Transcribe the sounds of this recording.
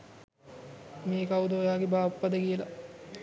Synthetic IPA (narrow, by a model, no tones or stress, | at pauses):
meːkaud̪oːjaːɡebaːpːɐd̪əkijəla̰